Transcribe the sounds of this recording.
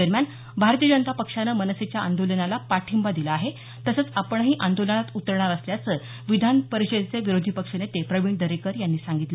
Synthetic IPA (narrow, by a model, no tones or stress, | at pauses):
əɾmjan | bʱaɾt̪ijəd͡ʑənət̪apəkʂanəmənəset͡ɕjaa̰nd̪olənalapaʈʰimbad̪iləaɦe | t̪əsət͡sapəɳɦiːʔand̪olənat̪ut̪əɾɳaɾəsljat͡sə | ʋid̪ʱanpəɾiɕət͡seʋiɾod̪ʱipəkʂənet̪epɾəʋiɳd̪əɾekəɾjanːiːsaŋɡit̪l